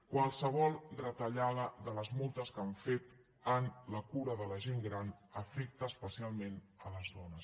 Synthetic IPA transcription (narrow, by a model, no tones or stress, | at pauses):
kwalˠsəβɔlˠd̪ɾət̪əʎaðəðələzmulˠt̪əskaɱfet̪ | ənləkuɾəðələʒeŋɡɾanəfɛk̚t̪əːspəsialˠmenələzðɔnəs